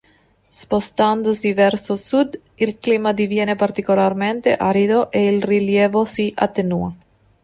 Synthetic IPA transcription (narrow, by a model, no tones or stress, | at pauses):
spost̪and̪osivɛrsosud̪ | ilkliːmad̪ivjeːnepart̪ikolarment̪ḛʔaɾid̪oʔeilriljeːvosiʔa̰t̪ːenua